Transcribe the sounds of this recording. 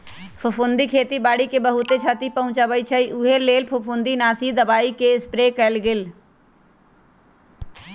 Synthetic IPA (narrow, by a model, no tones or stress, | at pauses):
pʰʊpʰʊnd̪ikʰeːt̪ibaːɽikebɐɦʊt̪et͡ʃʰat̪ipɐɦʊ̃t͡ʃabəit͡ʃʰəiʔuɦeleːlpʰʊpʰʊ̃nd̪inaːsid̪ɐbaːikeɪspɾeːkəlɡɪl